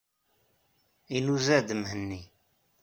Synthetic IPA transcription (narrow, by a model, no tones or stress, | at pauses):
inuzæd̪əmɦənːi